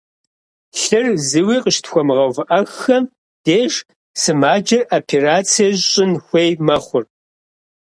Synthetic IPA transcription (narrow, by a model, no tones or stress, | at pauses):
ɬɨrzɨwiːqəʃtxʷɔmʁɐwvɨʔɐxxɐm | d̥eːʂ | sɨmaːd͡ʒɐrapʰeraːt͡sʰijɐʑɕʼɪnxʷejmɐχʷʊr